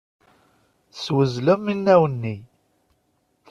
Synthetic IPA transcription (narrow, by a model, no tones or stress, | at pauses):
swəzləminːæwənːi